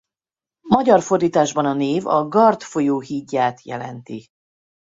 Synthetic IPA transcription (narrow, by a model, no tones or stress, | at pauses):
mɒɟɒrfo̞rd̪iːt̪aːʒbɒnɒneːvɒ̰ɡɒrt̪fo̞joːɦiɟːaːt̪jɛ̰lɛ̰nt̪i